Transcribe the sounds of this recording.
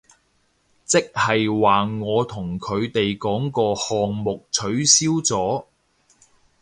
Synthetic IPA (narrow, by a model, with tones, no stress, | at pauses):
t͡sɪ˥k̚hɐ˨jwaː˨ŋɔː˨˧t̪ʰʊ˨˩ŋkʰɵ˨˧ɥt̪e˨jkɔː˨˥ŋkɔː˧hɔː˨ŋmʊ˨k̚t͡sʰɵ˨˥ɥsiː˥wt͡sɔː˨˥